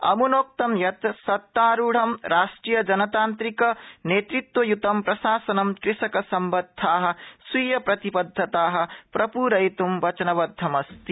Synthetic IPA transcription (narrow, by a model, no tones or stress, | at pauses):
ɐ̰munoːk̚t̪ɐmjɐt̪sɐt̪ːaːɾuːɽ̤ɐmɾaːʃʈɾijɐd͡ʒɐnɐt̪aːnt̪ɾikɐneːt̪ɾit̪wɐjut̪ɐmpɾɐsaːsɐnɐmkɾɪsɐkɐsɐmbɐd̪ʱːaːɦɐ̆swiːjɐpɾɐt̪ipɐd̪ʱːɐt̪aːɦɐ̆pɾɐpuːɾɐjt̪umʋɐt͡ʃɐnɐʋɐd̪ʱːɐmɐst̪i